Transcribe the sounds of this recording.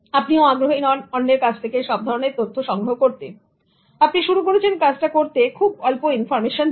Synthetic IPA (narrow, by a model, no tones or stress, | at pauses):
apnioaɡɾoɦinɔnɔnːeɾkat͡ɕʰt̪ʰekeʃɔb̚d̪ʱɔɾoneɾt̪ot̪ʰːoʃɔŋɡɾoɦokoɾt̪e | apniʃuɾukoɾet͡ɕʰenkad͡ʑʈakoɾt̪ekʰubɔlpoinfɔɾmeʃon